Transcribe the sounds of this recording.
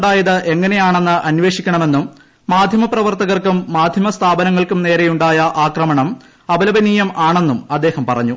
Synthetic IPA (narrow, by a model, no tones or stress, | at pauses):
ɖaːjɐðɨʔe̞ŋːɐne̞jaːɳe̞nːɨʔɐnʋe̞ːʂikʲːɐɳɐme̞nːumː | aːd̪ʱjɐmɐprɐʋɐrt̪ɐɣɐrkumːaːd̪ʱjɐmɐst̪ʰaːbɐnɐŋːɐɭkumne̞ːɾejuɳɖaːjɐʔaːkrɐmɐɳɐm | ɐbɐlɐbɐniːjɐmaːɳe̞nːumɐd̪ːe̞ːhɐmpɐrɐ̰ɲːu